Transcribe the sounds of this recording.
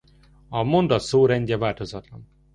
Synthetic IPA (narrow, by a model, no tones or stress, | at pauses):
ɒmo̞nd̪ɒt̪soːɾɛɲɟɛvaːlt̪o̞zɒt̪lɒn